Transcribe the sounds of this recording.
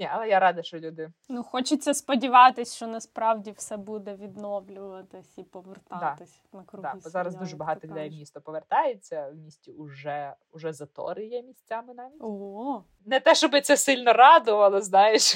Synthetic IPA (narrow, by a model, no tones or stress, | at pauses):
nʲiʔɐlˠɛjaɾɑd̪ɐʃt͡ʃɔlʲud̪ɪnuxɔt͡ʃɪt͡sʲːɐspɔdʲiʋɑt̪ɪsʲʃt͡ʃɔnɐspɾɑwdʲiwsɛbud̪ɛʋʲid̪nɔʋlʲʊʋɐt̪ɪsʲipɔʋert̪ɑd̪ɑt̪ɪsʲ | nɐkɾud̪aɔzɑɾɐzd̪uʒɛbɐɦɑt̪ɔkd̪ɛjmʲist̪ɔpɔʋert̪ɑjet͡sʲːɐwmʲisʲtʲiʊʒɛ | ʊʒɛzɐt̪ɔ̰ɾɪjɛmʲisʲtt͡sʲamɪnɑʋʲiɔ | nɛt̪ɛʃt͡ʃɔbɪt̪sɛsɪlʲnɔɾɑd̪ʊʋɐlˠɔznɑjeʃ